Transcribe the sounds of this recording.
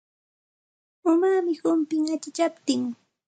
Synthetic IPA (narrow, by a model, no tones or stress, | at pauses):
ʊmamɪhʊmpɪŋat͡ʃɪt͡ʃapt̪ɪŋ